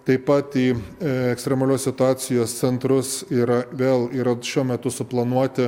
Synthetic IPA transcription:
t̪ɐɪpɐt̪iːɛkst̪ʲɾʲɛmɐlʲoːssʲɪt̪ʊaːsʲɪjoːst̪sʲɛnt̪ɾʊsiːɾɐʋʲeːlˠiːɾɐʃʲuɔmʲɛt̪ʊsʊplˠɐnuɔt̪ʲɪ

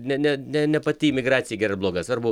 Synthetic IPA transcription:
nʲɛnʲɛnʲɛnʲɛpɐt̪ʲiːmʲɪɡrɑːt̪sʲɪjɛɡʲɛːrɐblˠoːɡɐsɐrbʊ

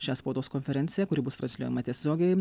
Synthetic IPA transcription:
ʃʲæːspoːt̪oːskɔnʲfʲɛɾʲɛnʲsʲɪjɛkʊɾʲɪbʊst̪ɾɐnsʲlʲuɔːjɛmɐt̪ʲiɛsʲoːɡʲɛɪ

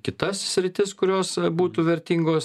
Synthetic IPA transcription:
kʲɪt̪ɐssʲɾʲɪt̪ʲɪskʊɾʲoːsbuːt̪uːʋʲɛɾʲt̪ʲiːŋɡoːs

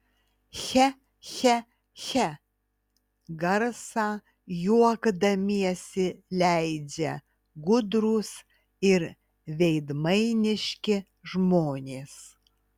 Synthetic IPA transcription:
xʲɛ | xʲɛ | xʲɛ | ɡɐɾsɑː | juɔɡd̪ɐmʲiɛsʲɪlʲæɪd͡ʒʲɛ | ɡʊd̪ɾʊs | ɪɾ | ʋʲɛɪd̪mɐɪnʲɪʃʲkʲɪ | ʒmoːnʲeːs

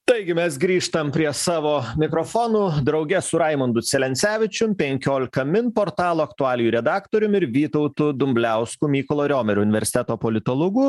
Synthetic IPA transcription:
t̪ɐɪɡʲɪmʲɛsɡɾʲiːʃt̪ɐmpʲɾʲiɛsɑːʋoːmʲɪkɾofoːnud̪ɾɐʊɡʲɛsʊɾɐɪmʊnd̪ʊt̪sʲɛlʲɛnʲt̪sʲæːʋʲɪt͡ʃʲʊmpʲɛŋʲkʲoːlʲɪkɐmʲɪnpoːɾt̪ɑːlˠoːɐkt̪ʊɑːlʲɪjuːɾʲɛd̪ɑːkt̪oːɾʲʊmɪɾʋʲiːt̪ɔʊt̪ud̪ʊmʲbʲlʲæʊskuːmʲiːkɔlˠoːɾʲoːmʲɛɾʲʊʊnʲɪʋʲɛɾʲsʲɪt̪ʲɛt̪oːpolʲɪt̪oːlˠoɡʊ

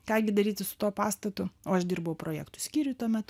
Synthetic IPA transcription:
kɑːɡʲɪd̪ɐɾʲiːt̪ʲɪsʊ̥t̪oːpɑːst̪ɐt̪ʊoːɐʃd̪ʲɪrbɐʋʊpɾoːjɛ̰ːkt̪ʊsʲkʲiːɾʲʊt̪uɔmʲɛt̪

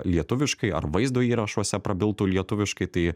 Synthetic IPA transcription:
lʲiɛt̪ʊʋʲɪʃkɐɪɐ̰ɾʋɐɪzd̪oːiːɾɐʃoɔsʲɛpɾɐbʲɪlˠt̪uːlʲiɛt̪ʊʋʲɪʃkɐɪt̪ɐɪ

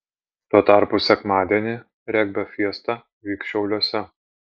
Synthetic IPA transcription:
t̪uɔt̪ɑˑɾpʊsʲɛkmɑːd̪ʲiɛnʲɪ | ɾʲɛɡ̚ʲbʲɛfʲiɛst̪ɑ | ʋʲiːkʃʲɛʊlʲuɔsʲɛ

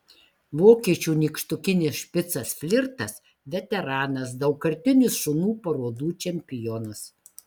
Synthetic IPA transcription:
ʋoːkʲiɛt͡ʃʲuːnʲiːkʃt̪ʊkʲɪnʲɪsʃʲpʲɪt̪sɐsfʲlʲɪɾt̪ɐs | ʋʲɛt̪ʲɛɾɑːnɐs̬d̪ɐʊkkɐɾʲt̪ʲɪnʲʊsʃʊnuːpɐɾoːd̪uːt͡ʃʲɛmʲpʲɪjɔnɐs

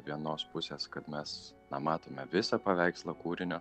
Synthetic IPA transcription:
ʋʲiɛnoːspʊsʲeːskɐt̪mʲɛs | nɐmɑːt̪oːmʲɛʋʲɪsɐpɐʋʲɛɪkslˠɐkuːɾʲɪnʲoː

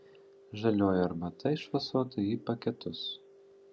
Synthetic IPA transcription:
ʒɐlʲoːjoɐɾmɐt̪ɐɪʃʋɐsoːt̪ɐiːpɐkʲɛt̪ʊs

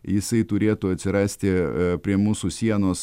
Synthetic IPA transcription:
jɪsɐɪt̪ʊɾʲeːt̪ʊːɐt̪ʲsʲɪɾɑːsʲt̪ʲɪpʲɾʲiɛmuːsʊsʲiɛnoːs

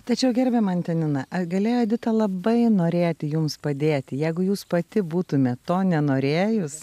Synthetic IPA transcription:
t̪ɐt͡ʃʲɛʊɡʲɛɾʲbʲɛmɐnt̪ʲɛnʲɪnɐʔɐɡɐlʲeːjoːd̪ʲɪt̪ɐlˠɐbɐɪnoːɾʲeːt̪ʲɪjʊmspɐd̪ʲeːt̪ʲɪjɛɪɡʊjuːspɐt̪ʲɪbuːt̪ʊmʲɛtt̪oːnʲɛnoːɾʲeːjʊs

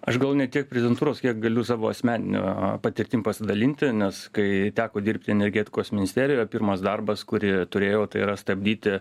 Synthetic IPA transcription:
ɐʃɡɐlˠʊnʲɛt̪ʲiɛk̚pʲɾʲɛzʲɪdʲɛnt̪uːɾoːskʲiɛk̚ɡɐlʲʊsɑːʋoːɐsʲmʲæːnʲɪnʲṵːpɐt̪ʲɪɾʲt̪ʲiːmpɐsʲɪd̪ɐlʲinʲt̪ʲɪnʲɛskɐɪt̪ʲæːkoːd̪ʲiɾʲpʲt̪ʲɪɛnʲɛrʲɡʲɛːt̪ʲɪ̥koːsmʲɪnʲɪsʲt̪ʲeːɾʲɪjoːpʲirmɐsd̪ɐrbɐskʊɾʲɪt̪ʊɾʲeːjoːt̪ɐɪiɾɐst̪ɐbʲd̪ʲiːt̪ʲɪ

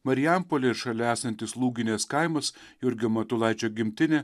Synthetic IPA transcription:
mɐɾʲɪjæmpolʲeɪɾʃɐlʲɛæːsɐnʲt̪ʲɪslˠuːɡʲɪnʲɛskɑɪmɐs | jʊɾʲɡʲɪmɐt̪ʊlˠɑˑɪt͡ʃʲoːɡʲɪmʲt̪ʲɪnʲe

